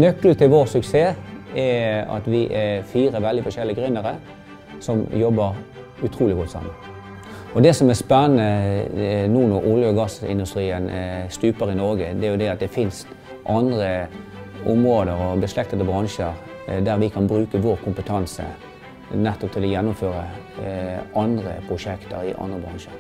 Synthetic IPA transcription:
nœkːl̩t̪ʰɪlʋoːʁsʉkseːɛɑ̰t̪ʋɪʔɛfiːɾəʋɛld̪ɪfɔʂɛlːɪəɡʁʏnːəɾə | sɔmjɔbːəɾ | ʉt̪ʰɾuːlɪɡɔt̪ːəsɑ̰mːə | ɔd̪ɛsɔmɛæspɛnənə | nuːnʊɾʔʊljəɔɡɑsɪ̰nd̪ʉst̪ɾiːənst̪ʉːpəɾɪnɔʁɡəd̪ɛæɾjʊd̪ɛɑt̪̚d̪ɛfɪnst̪ | ʔɑnd̪ʁə | ʊmʁoːd̪əɾɔbəslɛk̚t̪ət̪əbʁɑŋʃəɾ | d̪æɾʋɪkʰɑnbɾʉːkəʋoːʁkʰʊmpət̪ʰɑnsə̰ | nɛt̪ːɔpt̪ʰɪlɔjɛnːʊmføːɾə | ʔɑnd̪ʁə̰pʰʁʊʂɛkt̪ə̰ɾɪ̰ʔɑ̰nd̪ʁəbʁɑ̰ŋʃə̰ɾ

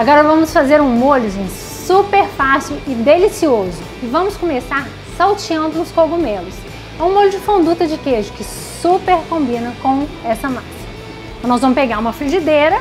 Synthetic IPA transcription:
aɡɔɾɐvɐ̃mʊsfazeɾũmolʊʒẽs | supeɾfaswɪd̪elisiozʊ | ɪvɐ̃mʊskõmesaɾ | sawt͡ʃiɐ̃nd̪ʊʊ̃skobumelʊs | ɛũmolʊd͡ʒɪfõnd̪ut̪ɐd͡ʒɪkeʒʊkɪ | supeɾkõbĩnɐkõw̃ɛsɐmasɐ | ɐ̃nɔzvɐ̃mʊspeɡaɾũmɐfɾiʒid̪eɾɐ

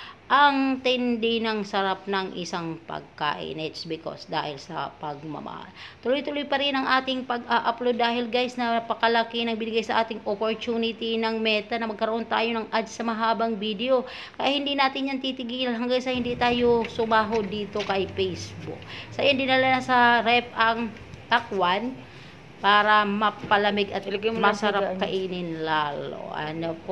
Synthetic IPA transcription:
ʔɐŋt̪ɪnd̪ɪnɐŋsɐɾap̚nɐŋʔɪ̰saŋpɐ̰ɡ̚ka̰ːʔɪ̰nʔɛt̪sbɪko̰sd̪a̰ːhɪlsɐ̰pɐɡ̚mɐ̰mɐ̰ha̰lt̪ʊlojt̪ʊlojpɐɾɪnɐŋʔaːt̪ɪŋpɐɡʔaʔɐplod̪aːhɪlɡajsnɐpɐkɐlɐkinɐŋbɪnɪɡajsɐʔaːt̪ɪŋʔopoɹt͡ʃuːnɪt̪inɐŋmɛːt̪ɐnɐmɐɡ̚kɐɾoʔo̞nt̪a̰ːjonɐŋʔad͡ʒsɐmɐɦaːbɐŋbid̪ɛo̞ | kɐjahɪnd̪inaːt̪ɪnɲant̪it̪ɪɡiːlanɦɐŋɡaŋsɐhɪnd̪it̪aːjosʊmaːɦod̪iːt̪o̞kɐjpɛjsbʊ̰k̚sɐʔand̪ɪnɐlanɐsɐɾɛpʔɐŋ | t̪akwan | paːɾɐmɐpɐlɐmɪɡʔɐt̪mɐsɐɾapkɐʔiːnɪnlalo̰ʔɐ̰nop

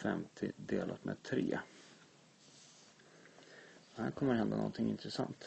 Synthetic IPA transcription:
fɛmt̪ʰɪd̪eːlʔat̪meːd̪̚t̪ʰɾeː | hæɾkʰɔmːəɾhɛnd̪anɔ̰nt̪ʰɪŋɪnt̪ɾɛsant̪

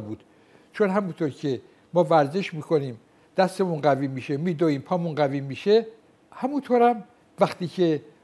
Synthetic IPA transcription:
buːd̪̥ | t͡ʃʰonɦæmunt̪ʰoːɾcʰe̞ | mɒːvæɾze̞ʃmiːkʰoniːm | d̪̥æst̪emunɡæviːmiːʃe̞miːd̪ɒiːmpʰɒːmunɡæviːmːiʃe | hæmunt̪ʰoːɾæm | væxt̪iːcʰe̞

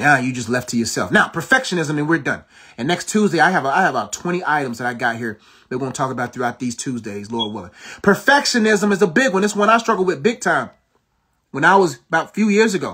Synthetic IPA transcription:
jæjɨd͡ʒʌs̬tˡlɛftʰɨjə˞sɛ̰lˠfnaʊpʰə˞fɛkʃɨnɪzɨ̃mɨ̃nwɪɹdʌ̰̃n | ɨ̃nːɛkstʰʉzdeɪaɪɨvaɪɨvəbaʊtʰw̥ɛ̃ɾ̃iʔaɪɾɨ̃mzðɨɾaɪɡɑt̚ɦiɹ | ðɨwõʊ̃ntʰɔkəbaʊt̪̚θɹʉaʊt̪̚ðiz̥tʰʉzdeɪzlɔɹ̚wɪlˠəpʰə˞fɛkʃɨnɪzə̃mɨzəbɪɡwʌ̃nðɨswʌ̃ñaɪstɹ̥ʌɡl̩ˠwɨðbɪɡ̚tʰãɪ̃m | wə̃naɪwʌzəbaʊtfjʉjɪɹzɨɡoʊ

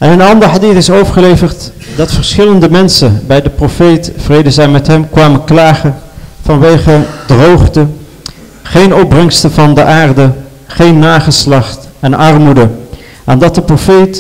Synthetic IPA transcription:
ɛnənɑndəɹɦadiθɪsowvəɹχəlejvəɹt | dɑtfəɹsχɪləndəmɛnsəbɛjdəprofejtvrejdəzɛjmɛtɦɛmkʋaːmənklaːχəv̥ɑnʋejχədrowχtə | χejnɔb̚brɛŋstəvɑndəʔaːrdə | χejnːaːχəslɑχtɛnɑrmudə | ʔaːndɑt̚dəprofejt

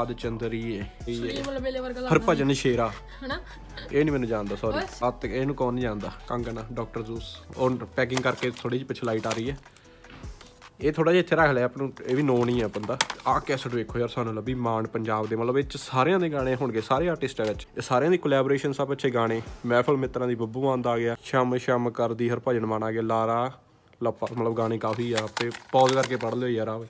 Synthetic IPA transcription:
ad̪t͡ʃənd̪ɾiːeːieːəɾpat͡ʃəniːʃeːɾaː | eːnĩːmɛːnũːd͡ʒãːnd̪aːsɔːɾiːət̪eːnũːkɔːnĩːd͡ʒãːnd̪aːkə̃ŋɡnaːɖɔːk̚ʈəɾzuːsoːpɛːk̬ɪ̃ŋɡkəɾkeːt̪ʰoːɽiːd͡ʒiːpɪt͡ʃʰːlaːiːʈaːɾəiːɛː | eːt̪ʰoːɽaːd͡ʒiːət̪ːʰeːɾəkʰlɛːəpnũːeːʋiːnoːnĩːɛːpənd̪aːaːkɛːsəʈʋeːkʰːoːəːɾsaːnũːləbiːmaːɳpəɲd͡ʒaːbd̪eːmət̪ləbɪt͡ʃsaːɾejãːd̪eːɡãːɽ̃ẽːɦʊɳɡeːsaːɾeːaːɾʈɪsʈɛːʋɪt͡ʃːsaːɾeãːd̪iːkolɛːbːɾeːʃənsəbət͡ʃʰeːɡaːɽ̃eːmɛːpʰəlmɪt̪ːɾãːd̪iːbəbuːãːnd̪aːɡɪjaːʃəmʃəmkəɾd̪iːɦəɾpəd͡ʒənmaːnaːɡɪaːlaːɾaː | ləpːaːmət̪ləbɡãːɽ̃eːkaːfʰiːɛːpeːpɔːzkəɾkeːpəɽloːiːɛːɾaːʋeː

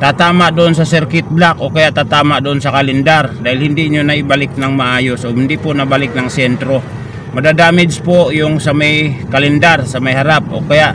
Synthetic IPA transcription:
t̪at̪amaʔdoɔnsasɛrkit̪̚blakokajaʔt̪at̪amaʔdoːnsakalɛndardaɦilhindiɲonaibalɪk̚naŋmaajosoɦind̪iponabalɪk̚naŋsɛnt̪ɾo | madadamɛd͡ʒpojʊŋsamajkalɛndarsamajɦaɾap̚o̰kajaʔ

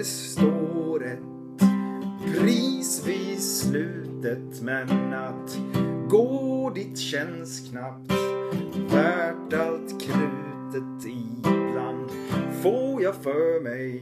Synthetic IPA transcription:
s | t̪oːɾɛt̪ | pʰɾiːsviːslʉ̟ːt̪ət̪mɛnat̪ɡoːd̪ɪt̪ɕɛnskʰnap̚t̪væʈalt̪kʰɾʉ̟ː | t̪ət̪ | ɪbland̪foːjɑfœmɛj

